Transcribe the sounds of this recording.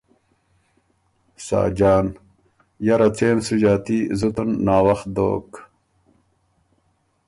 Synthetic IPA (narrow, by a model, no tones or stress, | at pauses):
sa̰ːd͡ʑaːn | jɐɾɐt͡seːnsud͡ʑaːt̪izut̪unːaːwɐx̚d̪o̰ːk